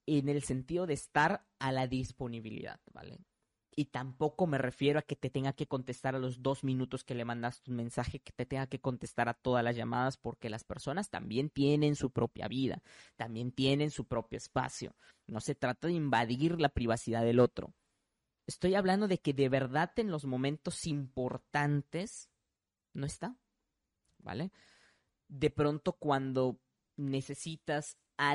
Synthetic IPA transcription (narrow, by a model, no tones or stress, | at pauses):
e̞ne̞lse̞nt̪iðo̞ðe̞ːst̪aɾ | alaðispo̞niβilḭða̰ðb̥a̰lḛ | it̪ampo̞ko̞me̞re̞fje̞ɾo̞ake̞t̪e̞t̪e̞ŋɡake̞ko̞nt̪e̞st̪aɾalo̞zd̪o̞zmĩnut̪o̞ske̞le̞mãnd̪ast̪unmẽ̞nsaxe̞ke̥t̪e̞t̪eŋɡake̞ko̞nt̪e̞st̪aɾat̪o̞ðazlazʝamaðaspo̞ɾke̞laspe̞ɾso̞nast̪a̰mbje̞nt̪je̞ne̞nsupɾo̞pja̰βiða̰t̪ambje̞nt̪je̞ne̞nsupɾo̞pjo̞espa̰sjo̞̰ | no̞se̞t̪ɾat̪aðe̞imbaðiɾlapɾiβ̞asiðaðe̞lo̞t̪ɾo̞̰ | e̞st̪o̞jaβland̪o̞ðe̞ke̞ðe̞βe̞ɾðate̞nlo̞zmõ̞mẽ̞nt̪o̞simpo̞ɾt̪ant̪e̞s | no̞est̪a | ba̰le̞ | ðe̞pɾo̞nt̪o̞kwand̪o̞ | ne̞se̞sit̪as | a